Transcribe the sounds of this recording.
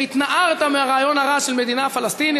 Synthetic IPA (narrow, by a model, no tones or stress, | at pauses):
it̪naʔaʁt̪ameaʁaːjo̞nhaʁaʃelme̞d̪inafalast̪ini